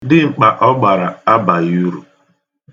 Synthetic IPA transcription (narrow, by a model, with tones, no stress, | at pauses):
dɪ˦ŋ͡m̩˨k͡pa˨ʔɔ˦ɡ͡ba˨ɾa˨a˦ba˨ju˦ɾṵ˨